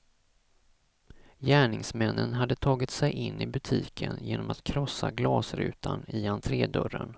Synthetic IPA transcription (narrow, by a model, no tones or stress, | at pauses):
jæːɳɪŋsmɛnːənɦad̪ːət̪ʰɑːɡɪt̪sɛjʔɪnːɪbɵt̪ʰiːkʰənjeːnɔmat̪kʰɾɔsːaɡlɑːsɾʉ̟ːt̪ʰanɪant̪ʰɾeːd̪œɾən